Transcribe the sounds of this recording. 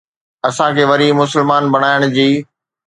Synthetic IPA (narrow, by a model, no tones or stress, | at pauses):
ɐsãkʰeːʋɐɾimʊsəlmaːnbɐɽ̃aːɪɽ̃ʊd͡ʑiː